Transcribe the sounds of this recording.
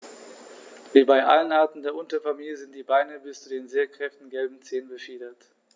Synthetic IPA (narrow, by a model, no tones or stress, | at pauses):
viːbaɪʔa̰lənʔaɐtn̩deːɐʔʊntɐfamiːljəzɪnt̚d̥iːbaɪnəbɪst͡sudeːnzeːɐkʁ̥ɛftn̩ɡɛlbm̩t͡seːənbəfiːdɐt